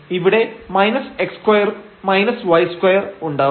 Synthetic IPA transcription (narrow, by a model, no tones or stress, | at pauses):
iʋiɽe̞mɐjnɐsekskwɐjɐr | mɐjnɐsʋɐjskwɐjɐruɳɖaː